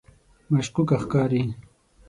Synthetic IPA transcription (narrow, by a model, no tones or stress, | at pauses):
mɐʃqʊkaxkaːɾiː